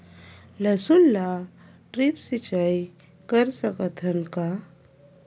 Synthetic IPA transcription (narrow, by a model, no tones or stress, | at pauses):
ləsulːa | ʈɾipsit͡ɕaj | kəɾsəkət̪ʰənka